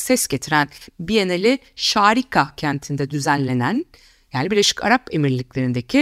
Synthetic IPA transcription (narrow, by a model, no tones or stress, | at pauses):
sɛsɟ̥e̞t̪ʰiɾænbijenelʲi | ʃaːɾikʰacʰænt̪ʰind̪ɛd̪yzænlʲːe̞næn | jaːnibiɾlʲe̞ʃi̥cʰa̰ɾape̞miɾlʲiclʲe̞ɾind̪ecʰi